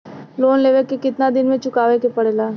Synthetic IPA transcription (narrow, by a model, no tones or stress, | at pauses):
loːnleːʋekːekɪt̪nad̪ɪnmẽt͡ʃʊkaːʋekepɐɽelaː